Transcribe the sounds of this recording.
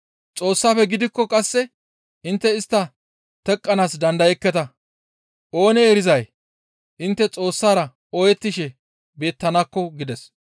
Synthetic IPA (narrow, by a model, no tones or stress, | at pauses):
t͡sʼo̞ːsːaːfɛɡɪd̪ɪkːɔkʼɐsːɛ | ɪnt̪ːɛɪst̪ːɐ | t̪ɛkʼːɐnaːsd̪ɐnd̪ɐjɛkːɛt̪ɐ | ʔo̞ːnɛeːɾɪzɐj | ʔɪnt̪ːɛt͡sʼo̞ːsːaːɾɐ | ɔjɛt̪ːɪʃɛ | be̞ːt̪ːɐnaːkːɔɡɪd̪ɛs